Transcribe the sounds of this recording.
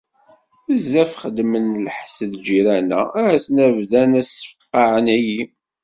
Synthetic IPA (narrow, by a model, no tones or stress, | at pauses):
əzːæfχəd̪mənlħsəðd͡ʒiɾænæ̰æθnævðænæsə̥fəqːɑʕənæji